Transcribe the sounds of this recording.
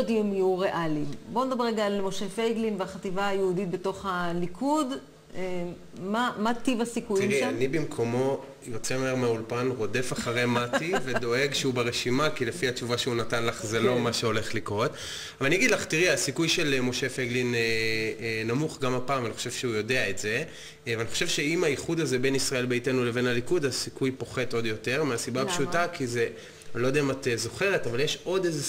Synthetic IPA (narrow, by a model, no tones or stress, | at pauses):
dimijuʁeʔalimbo̞ned̪abeʁeɡaːlmoʃefeɡlinveaχat̪ivaːjeudit̪̚beto̞χalikʰud | mamat̪ivasikujt̪imʁianibimkʰo̞mo̞ | jo̞t͡semoeʁmeaulpanʁo̞d̪e̞faχaʁe̞mat̪ived̪o̞eɡʃeubeʁeʃimakilefiat͡ʃuvaʃeunat̪anlaχzelo̞maʃeo̞le̞χlikʁo̞t̪ | avaniaɡid̪laχtiʁiasikujʃe̞lmo̞ʃe̞feɡline | namuχɡamapaːmvaniχoʃe̞vʃeujo̞de̞aetz̥e̞ | veaniχoʃevʃe̞imaiχud̪aze̞be̞nisʁae̞lbeitenule̞ve̞nalikudasikujpo̞χe̞to̞d̪jo̞te̞ʁmeasibaapʃutakʰize | lo̞d̪ematezo̞χe̞ʁe̞tavaljeʃo̞deze